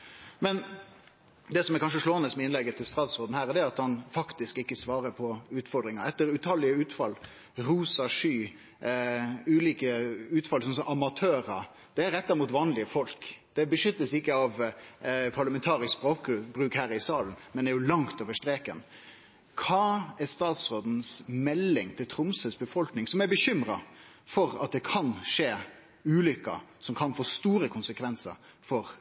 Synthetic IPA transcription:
mɛn | d̪ɛsɔmɛkɑnʂ̬əʂloːɑnəsmɛɪnlɛɡət̪ʰːɪlst̪ɾɑd̪sɔɾd̪n̩hæːʁd̪ɛæɑt̪hɑnfɑkt̪ɪskɪkːəsʋɑːɾəpʰɔʉːt̪fɔɾd̪ɾɪŋɑɾɛt̪ːəɾʉt̪ʰɑlɪəʉːt̪fɑl | ɾuːsɑʂyː | ʉːliːkəʉːt̪fɑlsɔnsɔmʔɑmɑt̪ʰøːɾɑ | d̪̥ɛæɾɛt̪ːɑɪmuːt̪ʋɑːnlɪəfɔlkd̪̥ɛbəʂʏt̪ːəsɪkːəɑʋ | pʰɑɾlɑmɛnt̪ʰɑːɾɪsksb̥ɾoːkbɾʉːkhæːɾɪsɑːlən̩mɛnæɾjʊlɑŋt̪oːʋəʂt̪ɾeːkən | kʰɑːæst̪ɑːt̪sɾoːd̪n̩smɛlːɪŋt̪ʰɪlt̪ʰɾʊmsəsbəfɔlknɪŋsɔmæɾbəɕʏmɾɑ | fɔɾɑ̰t̪̚d̪ɛkʰɑnʂeː | ʉːlʏkːɑ̰sɔmkʰɑnfoːst̪uːɾəkʰʊnsəkʰʋɛnsə̰ɾ | fɔɾ

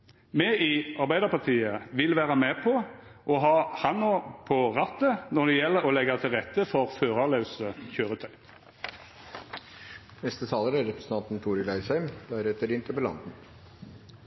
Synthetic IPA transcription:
mɛɪɑʁbæɪd̪əpɑʁt̪ʰiːəʋɪlʋæːʁɑmɛpʰɔ | ʔɔɦɑːhɑnːɔpʰɔʁɑt̪ːənɔʁd̪ɛjɛlːəʁɔlɛɡɑt̪ʰɪlʁɛt̪ːəfɔʁføːʁɑlœʉsəçøːʁət̪ʰœʏ | nɛst̪ət̪ʰɑːləɾæɾɛpɾəsən̩t̪ɑnt̪n̩t̪ʰuːɾəɡlæɪshæɪmb̥̪ææɾɛt̪ʰəɾɪnt̪ʰəbəlɑ̰nd̪n̩

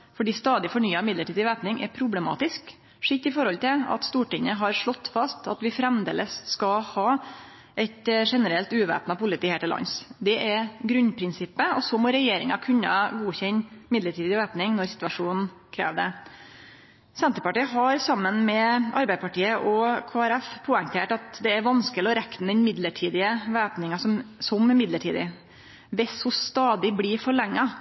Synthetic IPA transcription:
fɔɖiːst̪ɑːd̪ɪfɔɳyːɑmɪd̪ləʈʰiːd̪ɪʋæːpnɪŋʔɛ̰ɾpʰɾʊblɛmɑ̰ːt̪ɪsk | ʂɪt̪ːɪfɔɾɔlt̪ɪlɑ̰t̪st̪uːʈɪŋːəɦɑɾʂɭɔt̪ːfɑst̪ʰɑt̪ʋɪfɾɛmd̪ḛːləsːkɑhɑː | ʔɛɪt̪ʂɛnəɾɛlt̪ʉːʋæ̰ːpnɑpʊlɪt̪iːheːʈɪlɑ̰nsd̪ɛʔɛɾɡɾʉnpʰɾɪnsɪpːəɔsɔmɔːɾɛjeːɾɪŋɑkʰʉnːə̰ɡuːçɛɲmɪd̪ləʈʰiːd̪ɪʋæːpnɪŋnɔɾsɪ̥t̪ʉɑʂuːnn̩ | kʰɾḛːʋd̪ɛ | sɛnt̪əɾpɑʈiːəɦɑɾsɑmːənmɛʔɑɾbæɪpɑʈiːəʔɔkʰoːæɾɛfpʰoːɛŋt̪ʰeːʈɑt̪d̪ɛæɾʋɑnskəlɪɔɾɛkt̪n̩d̪ɛnmɪd̪ləʈʰiːd̪ɪəʋæːpnɪŋɑsɔmsɔmmɪd̪ləʈʰḭːd̪ɪ̰ | ʋɛshʊst̪ɑːd̪ɪbliɾfɔɭɛŋːɑ

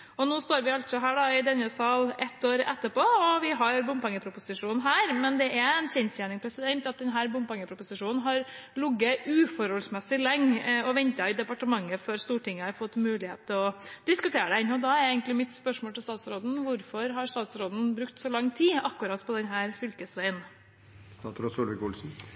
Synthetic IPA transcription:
ɔnuːst̪oːɾʋɪɑlt̪sɔɦæːɖɑɪd̪ɛnəsɑːlɛt̪ːoːɾɛ̰t̪ːəpʰoːɔʋɪɦɑɾbʊmpɑŋːəpʰɾʊpʊsɪʂuːn̩ɦæːɾmɛnd̪ɛʔæɛnçɛnsjæːɳɪŋpʰɾɛsɪd̪ɛnt̪ɑt̪̚d̪ɛnɦæːɾbʊmpɑŋːəpʰɾʊpʊsɪʂuːnnɦɑɾlʊɡːəʉːfɔɾhɔlsmɛsːɪlɛŋːɔʋɛnt̪ɑɪd̪ɛpɑʈəmɑŋːəfɔɾst̪uːʈɪŋːəɑɾfɔt̪ːmʉːlɪhḛːt̪t̪ːɪlɔd̪ɪskʉt̪ʰeːɾəd̪ɛnɔd̪ɑæɾɛɪɡŋk̪lɪmɪt̪spœʂmoːlt̪ɪlst̪ɑːt̪sɾoːd̪n̩ʋʊɾfɔɾɦɑɾst̪ɑːt̪sɾoːd̪n̩bɾʉkt̪sɔlɑŋt̪ʰiːɑkːʉɾɑːt̪pʰɔd̪ɛnɦæːɾfʏlkəsʋæɪən | st̪ɑt̪ʰɾɑsɔlʋɪkʊlsn̩

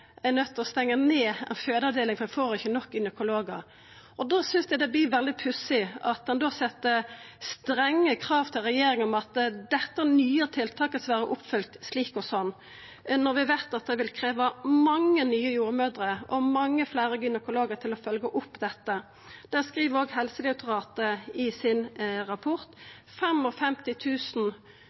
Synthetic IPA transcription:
ænœt̪ːɔst̪ɛŋːəneːɛ̰nføːd̪əɑʋd̪eːlɪŋfɔɛfoːɾɪçːənɔk̚ːɡʏnəkʊloːɡəɾ | ʔɔd̪oːsʏnsd̪ɛɪd̪ɛbliːʋɛld̪ɪpʰʉsɪɑt̪̚d̪ɛnd̪oːsɛt̪ːəst̪ɾɛŋːəkʰɾɑːʋt̪ʰɪlʁɛjeːɾɪŋɔmɑt̪d̪ɛt̪ːəænyːət̪ʰɪlt̪ʰɑːkəsʋæːɾəʔʊpːfʏlk̚t̪sliːkɔsɔnː | nɔʁʋɪʋæɪt̪ɑt̪̚d̪ɛʋɪlkʰɾeːʋɑmɑŋːənyːəjuːɾmøːd̪ɾəʔɔmɑŋːəflæːɾəɡʏnəkʊloːɡəʁt̪ʰɪlɔfœlɡəʔʊpːd̪ɛt̪ːə | d̪̥ɛskʁiːʋəʁoːɡhɛlsəlɪʊt̪ʰʊʁɑːt̪əɪsɪnɾɑpʰɔʁt̪ | fɛmɔfɛmt̪ɪt̪ʰʉːsn̩

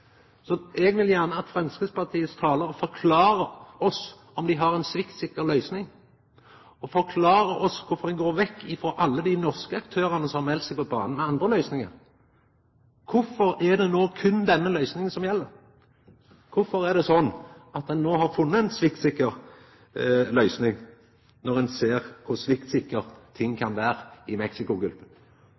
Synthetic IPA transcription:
sɔʔɛɡʋɪljæʁnəɑt̪fʁɛnskəspɑt̪ʰiːəst̪ʰɑːləɾɔfɔɾkʰlɑːɾəɔs | ɔmd̪ɪɦɑɾɛnsʋɪkt̪sɪkːəɾlœʏsnɪŋ | ɔfɔkʰlɑːɾəʔɔskʰʊɾfɔɾd̪ɛnɡoːɾʋɛkːɪfɾoːʔɑlːəd̪ɪnɔʁskəɑk̚t̪ʰøːɾənəsɔmːɛlt̪sɛɪɡpʰɔbɑ̰ːnən̩mɛɑnd̪ɾəlœʏsnɪŋə̰ɾ | kʰʊɾfɔɾɛd̪ɛnoːkʰʉnd̪ɛnːəlœʏsnɪŋənsɔmjɛlːəɾ | kʰʊfɔɾɛd̪ɛsɔnːɑt̪̚d̪ɛnːoːɦɑɾfʊnːəɛnsʋɪkt̪sɪkːəɾ | lœʏsnɪŋ | nɔɾɛnseːʁkʰʊɾsʋɪkt̪sɪkːəɾt̪ʰɪŋːkʰɑnʋæːɾɪmɛksɪkʊɡʉlpə

